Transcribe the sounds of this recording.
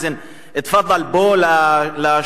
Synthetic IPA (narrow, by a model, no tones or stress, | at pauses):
zen | et̪favalbolala